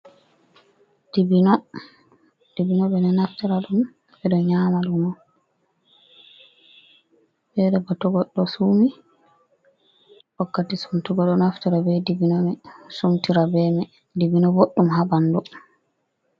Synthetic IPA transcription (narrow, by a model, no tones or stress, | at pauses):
d̥ibinɔ | d̥ibinɔbɛnɛnaftiɾaɗum | ɛɗɔɲaːmaɗunɔ | bɛɗɛbatɔɡɔɗːɔsumi | wɔkːatisumtuɡɔɗɔnaftiɾabɛdibinɔmɛsumtiɾabɛmɛ | dibinɔboɗːumhabandɔ